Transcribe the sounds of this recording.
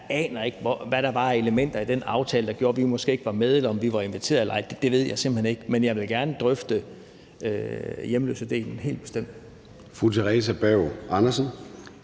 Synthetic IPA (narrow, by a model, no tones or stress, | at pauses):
ɛ̰ːnɐe̝ɡ̥ʋɒʋæɾ̥ɑ̈b̥ɑ̈ːæɐe̝ləmen̰d̥ɐid̥enɑ̈ʊt͡sʰɛːləd̥ɑ̈ɡ̥jo̝ːɐʋimɒ̽sɡ̥e̝ːeɡ̥ʋɑ̈með̞ˠelɐɒ̽mʋiʋɑ̈e̝nʋit͡sʰe̝̰ːɐð̩ˠelɐʔɑ̈ɪd̥d̥e̝ʋe̝ð̞̰ˠjɑ̈ɪsemb̥̩lhene̝ɡ̥menjɑ̈ɪʋe̝lɡ̥æɐnəd̥ʁœfd̥ə | øjemlø̰ːsəd̥e̝̰ːlnnɦe̝̰ːlb̥e̥sd̥em̰d̥ | fʁut͡sʰeʁɛs̬æb̥ɛʊ̰ɑnɐsən